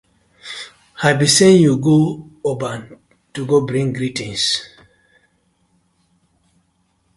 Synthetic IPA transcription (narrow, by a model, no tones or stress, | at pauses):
habisẽnjuɡoobãn | tuɡobɹĩŋɡɾitĩns